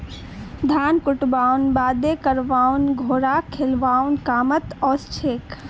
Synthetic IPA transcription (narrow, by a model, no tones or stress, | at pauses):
d̪ʱaːnkʊʈbaːwnbaːd̪ekəɾʋaːunɡʱoːɾakʰelʋaːunkaːmət̪ɔːst͡ʃʰeːk